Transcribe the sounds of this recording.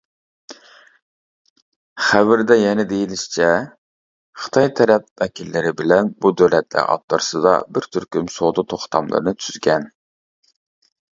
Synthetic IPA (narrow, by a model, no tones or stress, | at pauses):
χævɪɾd̪ɛjɛnɪd̪ejilɪʃt͡ʃʰɛ | χɨ̥t̪ʰɑjt̪ʰɛɾɛp̚vɛkʲʰilːɪɾɪbɪlɛnbud̪øwlɛt̪lɪ̰ʔɑ̰p̚t̪ɨɾsɨd̪ɑ̰bɪɾt̪ʰyɾkʲymsod̪ɑt̪ʰoχt̪ʰɑmlˠɨ̰ɾɨnɨt̪ʰyz̥ɡʲɛn